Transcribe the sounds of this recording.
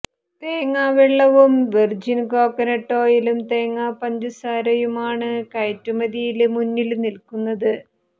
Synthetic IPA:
t̪eːŋːaːʋiɭːɐʋumʋird͡ʑinko̞ːkːɐnɐʈːo̞ːjilumt̪e̞ːŋːaːpɐɲd͡ʑusaːɾɐjumaːɳɨkɐjtːumɐðijilmunːilnilkunːɐðɨ

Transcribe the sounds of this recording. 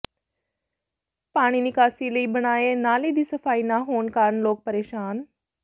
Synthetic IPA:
paːɽ̃inɪkaːsiləiːbɐɽ̃aːenaːlid̪isɐfaːinaɦoːnkaːɾnloːk̚pɐɾeːʃaːn

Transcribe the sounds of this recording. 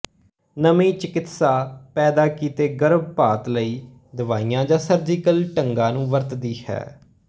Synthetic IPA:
nəmĩːt͡ʃɪkɪt̪saːpɛːd̪aːkiːt̪eːɡəɾəb̚paːt̪ləiː | d̪əʋaːijãːd͡ʒãːsəɾd͡ʒɪkəlʈəŋɡãːnũːʋəɾt̪d̪iːhɛ̰ː

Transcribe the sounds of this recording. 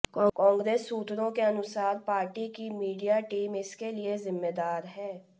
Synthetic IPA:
kɔ̃ːŋɡɾeːsːuːt̪ɾõkeənʊsaːɾpaːɾʈikimiːɖijaʈiːmɪskelɪezɪmːed̪aːɾɦɛː

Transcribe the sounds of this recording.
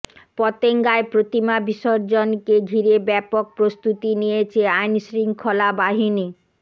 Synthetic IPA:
pɔt̪eŋɡaepɾot̪imabiʃoɾd͡ʑonkeɡʱiɾebɛpok̚pɾost̪ut̪inijet͡ɕʰeajnsɾiŋkʰːolabaɦini

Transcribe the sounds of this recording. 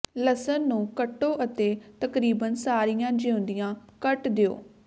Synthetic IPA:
ləsənːũːkəʈːoːʔət̪eːt̪əkɾiːbənsaːɾijãːd͡ʒeʊ̃nd̪ijãːkəʈd̪ɪo̰ː

